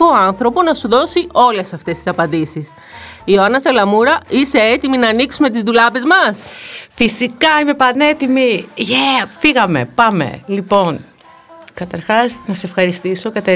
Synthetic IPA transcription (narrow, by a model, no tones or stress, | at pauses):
oɐnθɾo̞po̞nɐsuðo̞sio̞le̞sɐft̪e̞st̪i̥sɐpɐnd̪isis | ioɐnɐselɐmuɾɐise̞et̪iminɐːniksume̞t̪̬izðulɐve̞zmɐsfisikɐime̞pɐne̞t̪imiefiɣɐme̞̰pɐme̞̰lipo̞n | kɐt̪ɐɾxɐsnɐseefxɐɾist̪iso̞kɐt̪e